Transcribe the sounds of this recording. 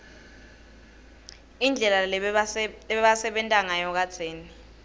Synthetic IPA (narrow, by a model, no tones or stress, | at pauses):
ind͡ɮʱɛla | ɛɓasɛɓɛntʼaŋajɔk̬at͡sʰeːni